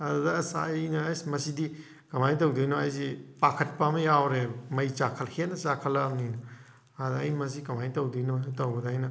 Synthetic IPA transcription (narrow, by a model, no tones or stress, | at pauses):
ɐdudɐːsa̰jnɐjsmɐsidi | kɐmajtɐwdujnoajsipakʰɐt̚pamɐjawɾemɐjt͡ʃakʰɐlhenɐt͡ʃakʰɐlaninɐ | ɐdɐ̰jmɐs̬ikɐmajtɐwdujnotɐwbɐdɐajnɐ